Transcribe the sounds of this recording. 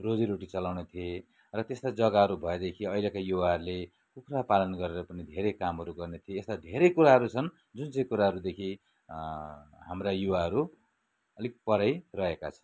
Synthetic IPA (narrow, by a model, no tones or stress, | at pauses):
rod͡ziɾoʈit͡sʌlawnet̪ʰie | rʌt̪est̪ad͡zʌɡaɦʌɾubʱʌed̪ekʰiʌilekajuwaɦʌɾule | kukʰrapalʌnɡʌɾeɾʌpʌnid̪ʱeɾekamɦʌɾuɡʌrnet̪ʰieːst̪ad̪ʱeɾʌjkuɾaɦʌɾut͡sʰʌn | d͡zunt͡sʌ̃j̃kuɾaɦʌɾud̪ekʰi | ɦamrajuwaɦʌɾu | ʌlik̚pʌɾajrʌɦeka̰t͡sʰʌ̥n